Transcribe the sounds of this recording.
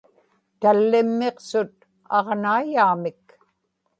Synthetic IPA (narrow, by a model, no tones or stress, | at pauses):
t̪alːɪmːeqsʊt̪̚ | ɑʁnaːjaːmɪk